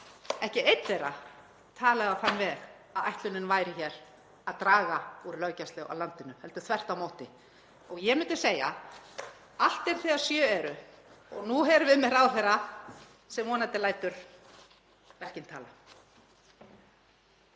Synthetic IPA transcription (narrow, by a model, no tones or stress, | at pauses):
ɛhcɪejt̪lejɾa | t̪ʰaːlaðaθanːvɛɾ | aðajht̪lʏnɪnvaːjɾɪçɛɾ̥ | aðt̪ɾaːɣauɾɪlœːɥcaslɛɣa̰wlant̪ɪnʏmhɛlt̪ʏ̥θvɛr̥t̪awmoːwt̪ɪ | ɔɣjɛmʏnt̪ɪ̥seːja̰ | al̥t̪ɛɾ̥θɛːḁsjœːɛɾʏɔɣnuɦɛɾvɪðmɛɾawθɛɾa | sɛmːɔːnat̪ɪlaːjt̪ʏɾ̥ | vɛr̥cɪnt̪ʰaːla